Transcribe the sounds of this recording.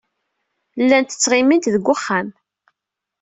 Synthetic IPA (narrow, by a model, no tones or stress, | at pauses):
lːænt̪ə̥t͡sːʁimint̪ðəɡʷːʊχːam